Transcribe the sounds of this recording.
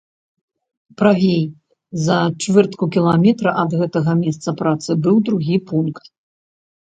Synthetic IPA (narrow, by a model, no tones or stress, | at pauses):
pɾavʲej | zɐt͡ʂvɛrt̪kukʲilˠamʲɛt̪ɾɐʔɐd̪ɣɛt̪ɐɣɐmʲɛst̪sɐpɾat̪sɨbɨwd̪ɾuɣʲipunkt̪